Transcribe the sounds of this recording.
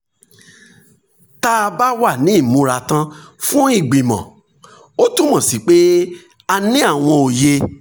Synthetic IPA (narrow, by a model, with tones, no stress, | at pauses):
ta˦˧ba˦wa˦˨nĩ˨˦i˦˨mũ˧ɾa˨tã˧fũ˦i˦˨ɡ͡bĩ˨mɔ̰̃˨ | o˦tũ˦mã˨si˨˦k͡pe˦ | a˧nĩ˦a˦˨w̃ɔ̃˧o˨je˧